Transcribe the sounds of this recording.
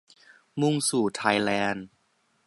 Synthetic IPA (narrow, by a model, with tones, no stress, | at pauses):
mu˧ŋsuː˨˩t̪ʰa˧jlɛː˧˥n